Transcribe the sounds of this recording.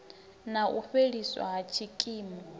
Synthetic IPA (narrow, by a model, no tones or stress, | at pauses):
naʔuɸeɺiswa̰ɦat͡ʃʰikʼiːmɔ